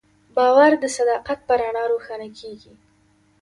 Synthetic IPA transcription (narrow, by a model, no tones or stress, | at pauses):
bɑwaɾd̪əsad̪ɑqat̪̚pəɾaɳɑɾoxanakʰeɡi